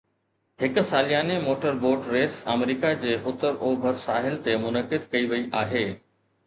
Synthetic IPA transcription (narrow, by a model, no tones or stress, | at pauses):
hɪkʊ̆saːlijaːnemoːʈəɾboːɾɖɾeːsɐ̰mɾiːkad͡ʑeːɦʊt̪əɾʔoːbʱəɾsaːɦɪlt̪emʊnəkɪd̪kɐiʋɐiʔaːɦeː